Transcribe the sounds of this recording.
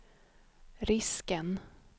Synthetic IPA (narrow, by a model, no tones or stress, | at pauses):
ɾɪskən